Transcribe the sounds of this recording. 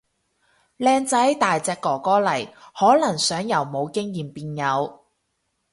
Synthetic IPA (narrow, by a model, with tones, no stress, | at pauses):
lɛː˧ŋt͡sɐ˨˥jt̪aː˨jt͡sɛː˧kːɔː˨˩kɔː˥lɐ˨˩jhɔː˨˥lɐ˨˩ŋsœː˨˥ŋjɐ˨˩wmo˨˧wkɪ˥ŋjiː˨˩mpiː˧njɐ˨˧w